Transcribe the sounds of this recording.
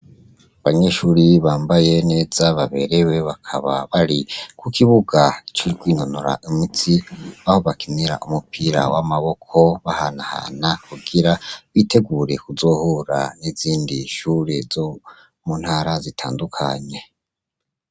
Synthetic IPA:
aβaɲe̞ʃuːɾiβaːmbaje̞ne̞ːz̥aβaβe̞̰ɾe̞we̞βakʰa̰βa̰βaɾikukʰiβuɡait͡ʃuɾikwiːnonoɾa̰ʔimit͡siaho̞βakiniɾa̰ʔumupʰiɾa̰wamaβo̞kʰo̞βahanaha̰nakuɡiɾaβite̞ɡuɾe̞kuzo̞ːhoɾa̰niziːndiʃuɾezo | munhaɾazitʰa̰ːndukʰa̰ɲe̞

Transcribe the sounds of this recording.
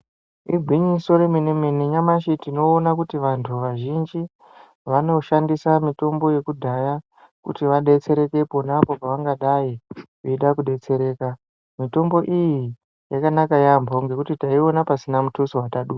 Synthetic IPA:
iɡʱiɲiso̞ɾeminemeneɲamaʃitino̞ːnakutiʋantʰuʋaʒind͡ʒi | ʋano̞ʃandisamito̞mbo̞je̞kudʱaja | kṵtiʋaɗe̞t͡se̞ɾe̞ke̞po̞napo̞paʋaŋɡaɗaji | iiɗakuɗe̞t͡se̞ɾe̞ːka | mito̞mbo̞ʔiji | jakanakajambʱoŋɡe̞kutitaio̞napasinamutusiwataɗu

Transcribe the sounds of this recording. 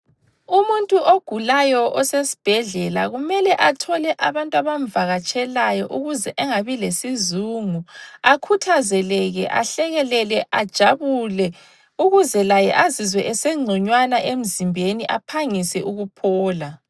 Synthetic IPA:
umuntʼuʔoɡ̥ʱulajɔʔɔsesi̥b̥ʱɛɮɛla̰ɣumɛlɛʔatʰɔlɛʔaβantʼwaβam̩vaɣat͡ʃʼɛlajɔʔuɣuzɛʔɛŋaβilesizuŋuakʰutʰazɛlɛɣɛ̰ʔa̰ɬɛɣɛlɛlɛʔad̥ʒ̥ʱaβulɛ | uɣuzɛlajɛ̰ʔazizwɛʔɛseŋ͡ǀʱɔɲwanaʔem̩zimbʱeniʔapʰaŋisɛʔuɣupʰɔːla

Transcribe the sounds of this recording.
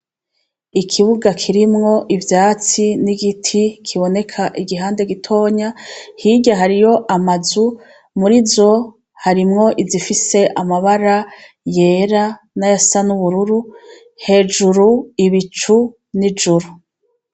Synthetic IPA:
ikʰiβuɡakʰiɾimŋo̞ʔivjaːt͡siniɡitʰikʰiβo̞ne̞kʰaʔiɡiɦaːnde̞ɡitʰo̞ːɲahiɟaɦaɾijo̞ʔamazu | muɾizo | haɾimŋo̞ʔizifise̞ʔamaβaɾa | je̞ːɾa | najasanuβuɾuɾu | he̞ːd͡ʒuɾuiβit͡ʃu | nid͡ʒuɾu

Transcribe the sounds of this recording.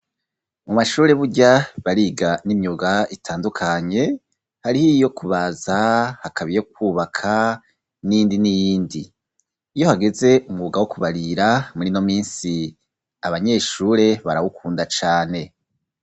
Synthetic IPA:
mumaʃuːɾe̞βuɟaβaɾiɡanimɲuɡaitʰaːndukʰaɲe̞ | haɾihijo̞kʰuβazahakʰaβijo̞k̚wuːβakʰa | nijiːndinijiːndiː | jo̞haɡe̞ze̞ʔumɡuɡawokuβaɾiɾamuɾino̞miːnsi | aβaɲe̞ːʃuːɾe̞βaɾawukʰuːndat͡ʃaːne̞

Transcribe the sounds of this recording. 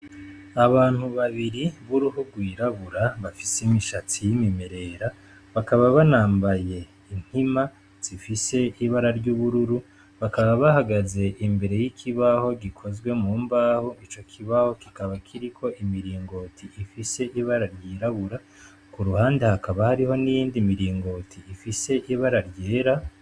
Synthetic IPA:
aβaːn̥huβaβiɾiβuɾuɦuɡwiːɾaβuɾaβafi̥simiʃatijimime̞ɾe̞ɾa | βakaβaβanaːmbaje̞ | in̥hima | z̥ifise̞iβaɾaɾɟuːβuɾuɾu | βakaβaβahaɡaze̞ʔimbe̞ɾe̞jikʰiβaho̞ɡikʰo̞zɡwe̞muːmbaːhoʔit͡ʃo̞kʰiβaho̞kikaβakʰiɾikʰo̞ʔimiɾiːŋɡo̞tʰiʔifise̞ʔiβaɾaɾɟiːɾaβuɾa | kuɾuhaːndehakaβahaɾiho̞nijiːndimiɾiːŋɡo̞tʰiːfise̞ʔiβaɾaɾɟe̞ːɾa

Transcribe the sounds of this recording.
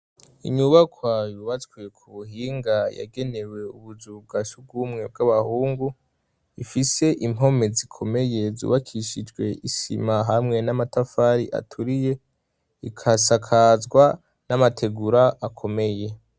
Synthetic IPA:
iɲuβakwajuːβat͡sɡwekʰuβuɦiːŋɡaja̰ɡe̞ne̞we̞uβuzuɡaʃub̚ɡuːmŋe̞b̚ɡaβahuːŋɡu | ifise̞ʔimɦo̞me̞zikʰo̞me̞je̞zṵːβakʰiʃid͡ʒɡwe̞ʔisḭmaɦamŋe̞namatafaːɾiʔa̰tʰuɾije̞ | ikʰasakʰazɡwa | namatʰe̞ɡuɾaakʰo̞me̞je̞

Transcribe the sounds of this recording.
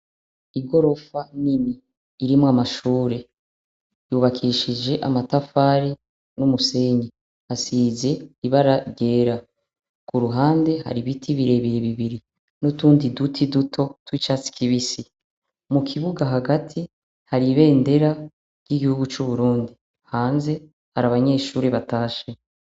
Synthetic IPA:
iɡo̞ɾo̞faniniː | ɾimwamaʃuːɾe̞ | juβakʰiʃid͡ʒe̞ʔamatafaːɾi | numuse̞ːɲi | asiːze̞iβaɾaɾɟe̞ːɾa | kuɾuɦaːnde̞ha̰ɾiβitʰiβiɾe̞βiɾiβiβiɾi | nutuːndidutʰidutʰo̞twiːt͡ʃat͡si̥kʰiβisi | mukʰiβuɡaɦaɡatʰi | haɾiβe̞ːnde̞ɾḁ | jiɡihuɡut͡ʃuβuɾuːndi | haːnze̞ | haɾaβaɲe̞ːʃuːɾeβataːʃe

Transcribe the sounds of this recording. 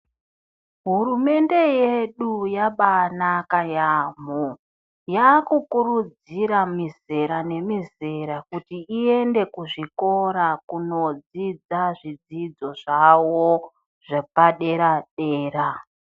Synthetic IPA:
ɦuɾume̞nde̞je̞ɗujaɓanakajaːmo | jakukuɾud͡z | iɾamize̞ɾane̞mize̞ɾakutiːe̞nde̞kuʐiko̞ɾakuno̞d͡zid͡zaʐid͡zid͡zo̞ʐawo | ʐapaɗe̞ɾaɗeːra

